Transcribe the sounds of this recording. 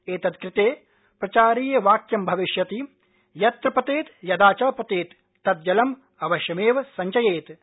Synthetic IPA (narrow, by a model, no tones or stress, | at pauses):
eːt̪ɐt̪kɾɪt̪eː | pɾɐt͡ʃaːɾiːjɐʋaːkjɐmbʱɐʋiʃjɐt̪i | jɐt̪ɾɐpɐt̪eːt̪jɐd̪aːt͡ʃɐːpɐt̪eːt̪ː | ɐt̪̚d͡ʒɐlɐm | ɐʋɐʃjɐmeːʋɐsɐɲt͡ʃɐjeːt̪